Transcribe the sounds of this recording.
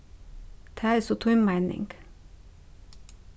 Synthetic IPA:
d̪̥ʰæːɾsɔt̪ʰʊʏmmæɪnɪ̰ŋɡ̥

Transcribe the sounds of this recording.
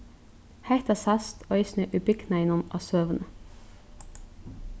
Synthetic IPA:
hæɪt̪ɑsɑst̪ʰoːiːsnœːʔʉbʏknæɪnʊmʔɑ̰søːʋənə

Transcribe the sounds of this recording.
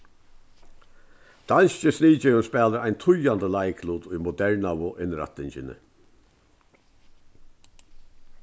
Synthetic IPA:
d̪̥alst͡ʃəsniːt͡ʃɛwʊnspɛːləɾaɪjnt̪ʰʊjand̪əlajkʰluːd̪ʊjmʊd̪ɛɹnawʊʔɪnɾa̰t̪ːɪɲt͡ʃɪnə̰

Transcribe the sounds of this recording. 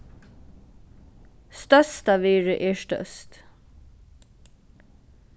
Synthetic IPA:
st̪œst̪ɑʋeːɹəʔeːʃtœ̰st̪

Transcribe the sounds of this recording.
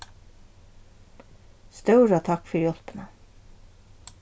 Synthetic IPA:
st̪œwɾat̪ʰakfʏɾjɔl̥pɪna

